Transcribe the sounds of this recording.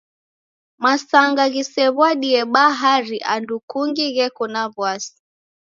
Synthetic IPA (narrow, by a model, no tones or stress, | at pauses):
masaŋɡaɣisɛβwaɗiɛɓaɦaɾiʔandukuŋɡiɣɛkunaβwasi̥